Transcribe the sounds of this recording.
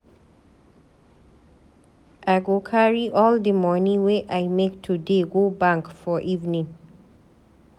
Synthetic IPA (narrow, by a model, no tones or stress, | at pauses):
ʔaɡokʰaɹiʔɔld̪əmɔnĩweʔajmek̚tʰudeɡobãŋkfɔʔivnĩŋ